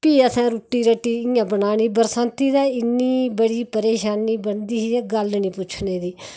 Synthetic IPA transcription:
piːəsãːɾoːʈːiːɾəʈːiːɪːãːbənaːɽiːbəɾsãːnt̪iːd̪aːɪnːiːbəɽiːpəɾeːʃaːniːbəɳd̪iːɦiːɛːɡəlnĩːpʊt͡ʃʰneːd̪iː

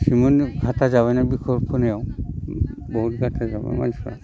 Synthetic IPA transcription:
simɔnɡʱatazabanabikʰɔlpʰɔnɛɔ | boɦutɡʱatʰazaba̰ma̰nsɔa̰

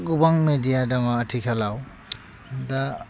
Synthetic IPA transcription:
ɡubaŋmedijadaŋaːtʰikʰalaw | da

